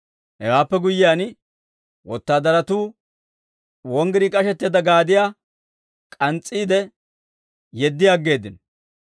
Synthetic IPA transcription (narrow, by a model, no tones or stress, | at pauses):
hɛwaːpːɛɡʊjːɪjaːn | wɔt̪ːaːd̪ɐɾɐt̪uː | wɔŋɡɪɾikʼɐʃɛt̪ːeːd̪ɐɡaːd̪ɪjaː | kʼɐnt͡sʼːiːd̪ɛ | jɛd̪ːɪjaːɡːe̞ːd̪ːɪn